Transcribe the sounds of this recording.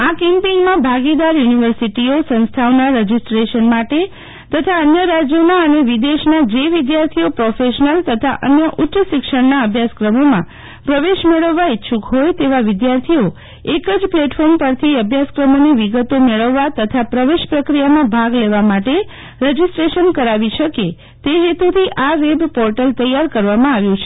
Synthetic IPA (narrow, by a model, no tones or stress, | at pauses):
akɛmpiŋɡmãbʱaɡid̪aɾjuniʋəɾsiʈiosə̃nst̪ʰaʋnaɾəd͡ʒisʈɾeʃənmaʈe | t̪ət̪ʰaənjəɾad͡ʒjonaəneʋid̪eʃnad͡ʒeʋɪd̪jaɾt̪ʰiopɾofeʃnəlt̪ət̪ʰa̰ʔə̰njəʔʊtːʃəʃɪkʃəɽnaəbʱjaskɾəmomã | pɾəʋeʃmeɭəʋːaitːʃʰukɦojt̪eʋaʋɪd̪jaɾt̪ʰio | ekəd͡ʒpleʈfɔɾmpəɾt̪ʰiəbʱjaskɾəmoneʋiɡət̪omeɭəʋːat̪ət̪ʰapɾəʋeʃpɾəkɾijamãbʱaɡleʋamaʈe | ɾəd͡ʒisʈɾeʃənkəɾaʋiʃəke | t̪eɦet̪ut̪ʰiʔaʋebpɔɾʈəlt̪əjaɾkəɾʋamãaʋjũt͡ʃʰe̥